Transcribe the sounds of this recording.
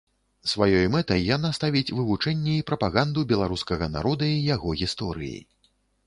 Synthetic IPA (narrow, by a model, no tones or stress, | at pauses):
svajɔjmɛt̪ɐjːanast̪avʲit͡sʲvɨvut͡ʂɛnʲːɛipɾɐpaɣand̪ubʲɛlˠaɾuskɐɣɐna̰ɾɔd̪ɐijaɣɔɣʲist̪ɔɾɨ̰jḭ